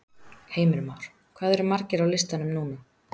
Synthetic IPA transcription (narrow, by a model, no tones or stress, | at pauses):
heːjmɪɾmawɾ̥ | kʰvaːðɛɾmaɾcɪɾawlɪst̪anʏmnuːnam